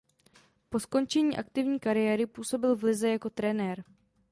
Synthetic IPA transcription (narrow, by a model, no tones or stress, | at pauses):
po̞sko̞nt͡ʃɛɲiːʔak̚t̪ɪvɲiːkaɾɪjɛːɾɪpuːso̞bɪlvlɪzɛjako̞t̪ɾɛnɛɾ